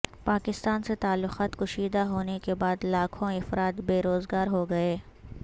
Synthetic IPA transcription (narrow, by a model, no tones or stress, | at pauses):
paːkɪst̪aːnset̪aːlːʊxaːt̪kʊʃiːd̪aɦoːnekebaːd̪laːkʰõɪfɾaːt̪beːɾoːzɡaːɾɦoɡɐeː